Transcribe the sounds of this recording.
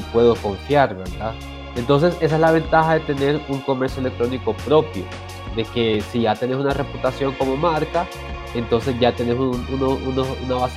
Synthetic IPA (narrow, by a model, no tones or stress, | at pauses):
pwe̞ðoko̞ɱfjaɾβeɾða | ent̪o̞ns̬e̞se̞s̬aezlaβe̞nt̪axaðe̞t̪e̞ne̞ɾuŋko̞me̞ɾsjoele̞k̚t̪ɾo̞niko̞pɾo̞pjo̞̰ | ðe̞ke̞siʝat̪e̞ne̞sunare̞put̪asjo̞ŋko̞mo̞maɾka | e̞nt̪o̞ns̬e̞sʝat̪e̞nesununounounaβas